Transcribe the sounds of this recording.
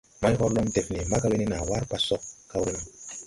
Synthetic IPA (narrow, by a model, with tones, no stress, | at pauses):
ma˦jɦɔ˦ɾlɔ˦mde˨fne˨ma˦ka˦we˦ne˦na˨wa˦ɾk͡pa˦sɔ˦ka˦we˦nɔ˦